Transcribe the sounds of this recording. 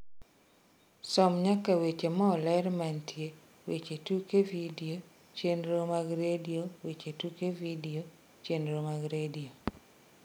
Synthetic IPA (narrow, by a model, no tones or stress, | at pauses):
sɔmɲakawet͡ʃemɔɔlɛɾmantʰje | wet͡ʃetukevidio | t͡ʃenɾomaɡɾediowet͡ʃetukevidio | t͡ʃenɾomaɡɾedio